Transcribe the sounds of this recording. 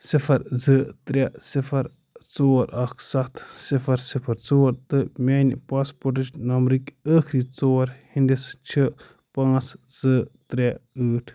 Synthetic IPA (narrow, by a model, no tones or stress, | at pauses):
sifʰɐɾzɨt̪ɾʲasifɐɾ | t͡soːɾʔɐkʰsɐt̪ʰsifɐɾsipʰɐɾt͡soːɾt̪ɨmʲanipaːspoʈit͡ʃnɐmɾikʲəːkʰɾit͡soːɐɾhind̪ist͡ʃʰə | pãːt͡szɨt̪ɾʲɛəːʈʰ